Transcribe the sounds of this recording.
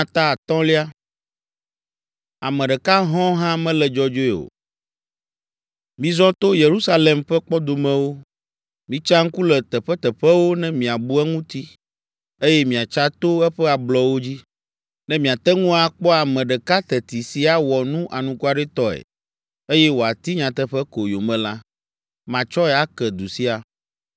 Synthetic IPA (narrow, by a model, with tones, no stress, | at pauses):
t̪a˦˨t̪ɔ̃˦li˦a˦ | a˨mɛ̃˨ɖɛ˨ka˦ɦɔ̃˦ɦã˦mɛ̃˦lɛ˨d͡ʒɔ˨d͡ʒo˦e˨o̰˨ | mĩ˨zɔ̃˦t̪o˦je˨ɾu˦sa˦le˨mɸɛ˦k͡pɔ˦d̪o˨mɛ̃˨wo˦ | mĩ˦t͡ʃa˦ŋ̩˦ku˦lɛ˨t̪ɛ˨ɸɛ˦t̪ɛ˨ɸɛ˦wo˦nɛ̃˦mĩ˨a˨bu˦ɛ˦ŋũ˦t̪i˦ | e˦jɛ˦mĩ˨a˨t͡ʃa˦t̪o˦ɛ˦ɸɛ˦a˨blɔ˨wo˦d͡ʑi˦ | nɛ̃˦mĩ˨a˨t̪ɛ˦ŋũ˦a˨k͡pɔ˦a˨mɛ̃˨ɖɛ˨ka˦t̪ɛ˨t̪i˨si˦a˨wɔ˨nũ˦ʔa˨nũ˨ku˦a˨ɖɛ˦t̪ɔ˦ɛ̰˨ | e˦jɛ˦wo˨a˨t̪i˦ɲã˨t̪ɛ˦ɸɛ˦ko˨jo˨mɛ̃˨la˦ | mã˨t͡ʃɔ˦ɛ˨a˨kɛ˨d̪u˨si˦a˨